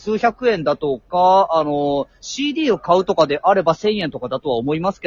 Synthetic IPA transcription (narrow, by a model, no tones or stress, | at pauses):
sɨːçakɯ̟ẽ̞nd̪at̪o̞kaːno̞ɕiːd̪iːo̞kaɯ̟t̪o̞kad̪e̞ʔaɾe̞basẽ̞ɰ̃ẽ̞nt̪o̞kad̪at̪o̞βaomo̞imasɨ̥ke̞